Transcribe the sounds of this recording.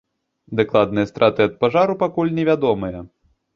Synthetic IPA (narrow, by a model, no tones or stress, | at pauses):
d̪aklˠad̪nɨjɐst̪ɾʔat̪ɨɐt̪̚paʐaɾupakulʲnʲɛvʲad̪ɔmɨjɐ